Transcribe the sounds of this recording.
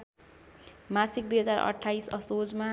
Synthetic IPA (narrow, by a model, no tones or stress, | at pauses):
masik̚d̪ujɦʌd͡zaɾʌ̰ʈʰːaisʌsod͡zma